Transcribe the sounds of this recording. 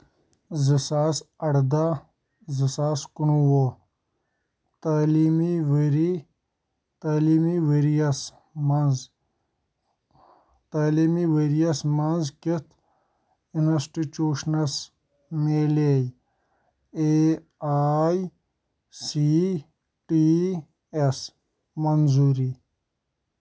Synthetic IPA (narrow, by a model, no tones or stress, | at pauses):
zisaːsɐɽd̪a | zisaːskunuwo | t̪aːlimiʋeɾi | t̪aːliːmiʋeɾijɐs | mɐnz | t̪aːliːmiʋeɾijɐsmɐnzkit̪ʰ | inɐsʈit͡ʃuːʃnɐs | meːlej | e | aj | si | ʈi | es | mɐnzuɾi